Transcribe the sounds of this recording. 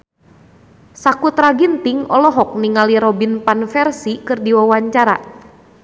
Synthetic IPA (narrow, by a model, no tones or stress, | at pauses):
sakut̪raɡint̪iŋɔlɔɦɔk̚niŋaliɾɔbinpanfɛrsikɨrdiwawaɲt͡ʃaɾa